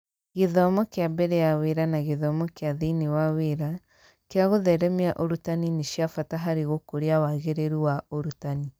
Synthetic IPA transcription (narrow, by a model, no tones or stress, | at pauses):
ɣeðɔmɔkeabɛɾɛjaweɾanaɣeðɔmɔkeaðinewaweɾa | keaɣoðɛɾɛmeaʔoɾutanineʃjafataɦaɾeɣokoɾeawaɣeɾeɾuwaoɾutani